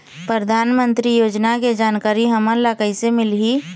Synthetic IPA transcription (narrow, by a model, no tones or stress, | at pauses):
pɾɾəd̪ʱaːnmə̃nt̪ɾijoːd͡ʒnaked͡ʒaːnkaːɾiɦəmənlakəisemɪlɦi